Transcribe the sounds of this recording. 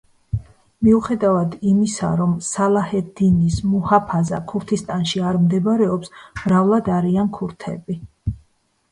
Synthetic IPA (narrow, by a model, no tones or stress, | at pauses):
miuχɛd̪avad̪imisa̰ɾɔmsalˠahɛd̪inismuhapʰaza̰kʰuɾt̪ʰist̪ʼanʃiaɾmd̪ɛbɾɛɔpsmɾavlˠad̪aɾiankʰuɾt̪ʰɛ̰bi